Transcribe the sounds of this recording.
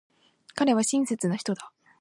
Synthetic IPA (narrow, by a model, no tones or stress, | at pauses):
kaɾe̞β̞aɕĩɰ̃set͡sɨnaçi̥t̪o̞d̪a